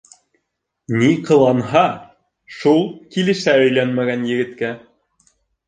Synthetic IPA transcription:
niqɤ̆lˠɑnɦɑ | ʃulˠkilɘ̆ʃæɵ̆jlænmæɡænjɘ̆ɡɘ̆t̪kæ

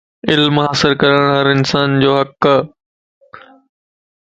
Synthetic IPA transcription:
ɪlmɦaːsɪɾkɐɾəɽ̃ɦɐɾɪnsaːnd͡ʑoːɦɐk

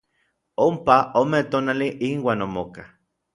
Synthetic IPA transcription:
ompaomet̪oːnaliʔinwaːnomoka

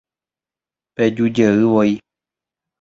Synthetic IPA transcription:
ped͡ʒud͡ʒəɨʋoi

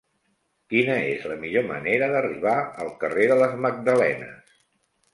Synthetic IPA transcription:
kinəezləmiʎomə̰neɾəðəriβ̞aəlˠkəreðələzməɡ̚d̪əlɛ̰nə̰s

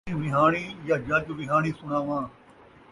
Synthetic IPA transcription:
ĩːʋɪɦaːɳ̃iːjaːd͡ʒaːt͡ʃʊʋɪɦaːɳ̃iːsʊɳaːʋãː

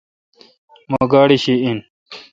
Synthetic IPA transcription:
moɡaːɽiɕiin

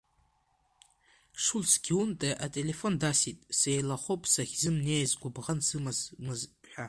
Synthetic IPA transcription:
ʂulsɡʲiuntʼeʔatʼe̞le̞fo̞ndasitʼsejlaχʷowpʼsaχʲzɨmnejzɡʷʊbʁansɨmazmɨzħʷᶣa

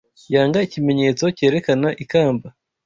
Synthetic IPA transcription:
jaːŋɡaicime̞ɲe̞ːt͡so̞ce̞ːɾe̞kanaʔikaːmba

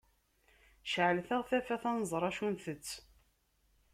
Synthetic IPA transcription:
ʃʕəlθæʁθæfæθɑnəzˤɾˤɑʃunθət͡sː

